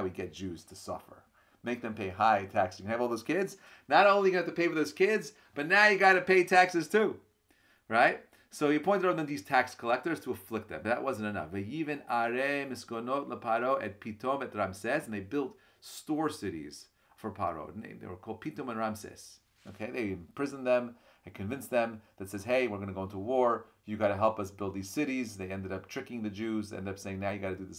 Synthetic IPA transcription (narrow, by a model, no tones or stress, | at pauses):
wiɡɛt̚d̥ʒ̥ʉz̥tʰɨsʌ̰fə̰˞ | meɪk̚ðɨ̃mpʰeɪɦaɪtʰækssjɨknəvɔlˠðoʊz̥kʰɪdz | nəɾõʊ̃nlijknæftʰɨpʰeɪfə˞ðoʊz̥kʰɪdz | b̥ʌtⁿnaʊjɨɡɑɾɨpeɪtʰæksɨz̥tʰʉ | ɹaɪt̚ | soʊjɨpʰɔ̃ɪ̃tɨɾaʊt̪̚ðɨ̃nðiz̥tʰækskʰəlɛk̚tə˞z̥tʰəəflɪk̚t̪̚ðɨ̰̃mðɨ̰ʔ̚wʔʌzɨ̃ntɨnʌ̰fvɨjivɨ̃naɹemɨskonotˡləpʰɑɾoʊʔɨ̰t̚pʰitʰõʊ̃mɨt̪̚ɹãmsɛsn̩ðeɪbɪlˠt̚ | stɔɹsɪɾḭz̥ | fə˞pʰa̰ɹo̰ʊnḛ̃ɪ̃mðeɪwə˞kʰɔlˠd̚pʰitõmə̃nɹamsɛ̰s | oʊkʰeɪðeɪɨ̃mpʰɹ̥ɪzɨ̃nðɨ̃m | eɪkʰɨ̃ɱvɪ̃nsðɨ̃mðɨtsɛz̥ɦeɪwɨɹɡʌnɨɡoʊɪ̃ntʰəwɔɹ | jɨɡɑɾɨɦɛlˠpʌsbɪlˠd̪̚ðiz̥sɪɾizðeɪɛ̃ndɨɾʌp̚tʰɹ̥ɪkɪ̃ŋðɨd͡ʒʉzɛ̰̃ndʌpseɪɪ̃ŋnaʊjɨɡɑɾɨdɨðɪs